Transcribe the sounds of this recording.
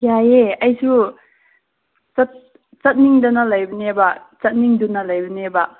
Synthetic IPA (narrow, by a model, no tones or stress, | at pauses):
jajeɐjsʰu | t͡sat̪̚ | t͡sɐt̪̚niŋdanalajbnebat͡sɐt̪̚niŋdunalajbəneba